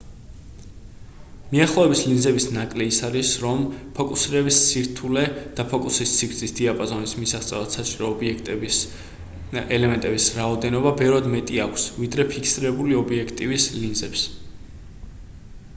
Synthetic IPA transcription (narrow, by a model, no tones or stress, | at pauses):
miaχlˠɔɛbislinzɛbisnakʼlɛisaɾisɾɔmpʰɔkʼusiɾɛbissiɾt̪ʰulɛd̪̥apʰɔkʼusist̪siɾt̪sʰʼisd̪̥iapʼɔzɔnismisaχt̪sʼɛvat̪sat͡ʃʼiɾɔːbiɛkt̪ʼ | ɛlɛmɛnt̪ʼɛbisɾaɔd̪ɛnɔbabɛvɾad̪mɛt̪ʼiakʷʰsvid̪ɾɛpʰikʰsiɾɛbuliɔbiɛkʰt̪ʼivislinzɛps